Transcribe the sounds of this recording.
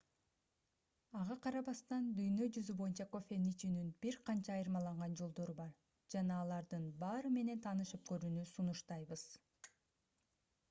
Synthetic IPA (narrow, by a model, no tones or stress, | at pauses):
ɑʁɑqʰɑɾɑβɑst̪ɑnd̪yjnø̞d͡ʒyzybo̞junt͡ʃɑko̞fʲemnit͡ʃynynbiɾqʰɑnt͡ʃɑːjɯɾmɑlˠɑɴʁɑnd͡ʒo̞lˠd̪o̞ɾubɑɾ | d͡ʒɑnɑːlˠɑɾd̪ɯnbɑːɾɯme̞ne̞nt̪ʰɑːnɯʃøp̚køɾyːnysunuʃt̪ɑjβɯz̥